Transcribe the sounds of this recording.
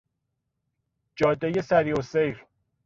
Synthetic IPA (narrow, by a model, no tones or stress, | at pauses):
d͡ʒɒːd̪ːejesæɾiosejɾ